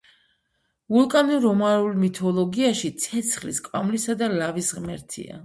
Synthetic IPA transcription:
vulˠkʼanuɾɔmaɾulˠmit̪ʰɔlˠɔɡiaʃit̪sʰɛt̪sʰχlḭskʼvamlisad̪alavisʁmɛɾt̪ʰḭa̰

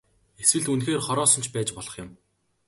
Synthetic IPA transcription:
eswɘ̆ɮt̪unxeːrχɔɾɔːsɞ̆nt͡ɕʰpæːt͡ɕpɔɮɞ̆χjʊ̆m

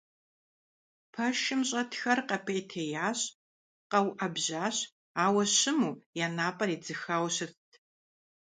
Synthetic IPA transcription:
pʰɐʃɪmɕʼɐtʰxɐrqɐpʰejtʰeːjaːɕ | qɐwʔɐbʑaːɕ | aːwɐɕɪmuːjaːnaːpʼɐriːd͡zɨxaːwɕɪrtʰ

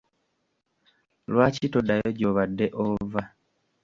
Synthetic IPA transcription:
lwaːcitodajoɟoβadːeʔova

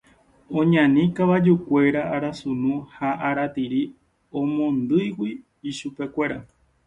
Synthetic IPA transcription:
õ̞ɲãnĩkaʋad͡ʒukʷe̞ɾaaɾasunũhaʔaɾat̪iɾi | õ̞mõ̞nd̪ɨjwiː | ʃupe̞kʷe̞ɾa

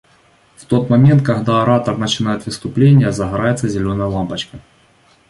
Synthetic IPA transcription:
ft̪o̞t̪mɐmʲent̪̚kɐɣd̪aɐɾat̪ɐrnɐt͡ɕɪnajɪt̪vɨst̪ʊplʲenʲːɪjəzɐɣɾajɪt̪səzʲɪlʲonɐjəlˠampɐt͡ɕkɐ

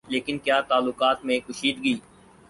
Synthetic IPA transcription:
leːkɪnkjaːt̪aːlːʊkaːt̪mẽkʊʃiːd̪ɡiː

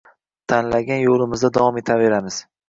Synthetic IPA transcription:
t̪ʰanlaɡʲanjolˠɪmɪzd̪ad̪avɒme̞t̪ʰave̞ɾamɪz̥

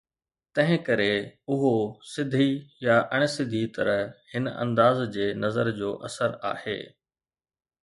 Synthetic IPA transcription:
t̪ɐ̃ɦɪ̃kɐɾeʊɦosɪd̪ʱijaʔɐɽ̃sɪd̪ʱit̪ɐɾəɦhɪnɐ̰̃nd̪aːzd͡ʑeːnɐzəɾd͡ʑoːʔɐ̰səɾa̰ːhḛː

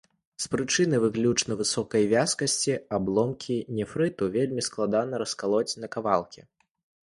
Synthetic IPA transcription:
spɾɨt͡ʂɨnɨvɨklʲut͡ʂnɐvɨsɔkɐjvʲaskɐsʲt͡sʲiablˠɔmkʲʰinʲɛfɾɨt̪uvʲelʲmʲisklˠad̪anɐɾɐskalˠɔt͡sʲnɐkavalˠkʲi

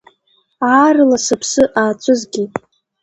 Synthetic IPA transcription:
aːrɨlasɨpʰsɨʔaːt͡ʃʷʼʊzɡʲi

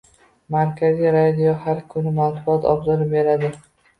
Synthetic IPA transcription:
maɾkʲʰazijɾad̪ijohaɾkʰʊnɪmanbʊɒt̪ʰɒ̰bzɒɾɪpbe̞ɾad̪ɪ

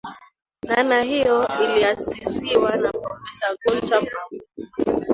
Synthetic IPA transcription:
nanahijɔiliasisiwanapɾɔfɛsaɡuntama

